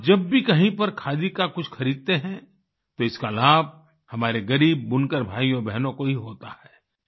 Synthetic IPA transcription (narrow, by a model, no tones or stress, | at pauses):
d͡ʒɐbːikɐɦĩpɐɾkʰaːd̪ikakʊt͡ʃʰxɐɾiːd̪̚t̪eɦɛ̃ | t̪oɪskalaːb̚ | hɐmaːɾeɡɐɾiːb̚ːʊnkəɾbʱaːijobɛɦnõkoɦiɦoːt̪ahɛː